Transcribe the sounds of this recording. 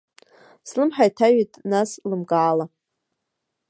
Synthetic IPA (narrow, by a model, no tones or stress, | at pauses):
slɨmħajtʰaɥitʰʼnaslɨmɡaːla